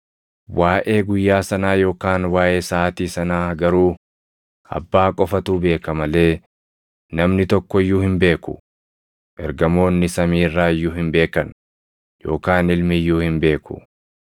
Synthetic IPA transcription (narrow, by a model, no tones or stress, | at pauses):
waːʔeːɡʊjːaːsɐnaːjo̞ːkaːnwaːʔe̞ːsaːt̪iːsɐnaːɡɐɾuː | ɐ̰bːaːkʼɔfɐt̪uːbe̞ːkɐmɐle̞ː | nɐmnɪt̪ɔkːɔjːuːhɪmbe̞ːkʊ̰ | ʔɛɾɡɐmo̞ːnːɪsɐmiːrːaːɪjːʊhɪmbe̞ːkɐn | jo̞̰ːkaːnɪlmɪjːuːhɪmbe̞ːkʊ̥̰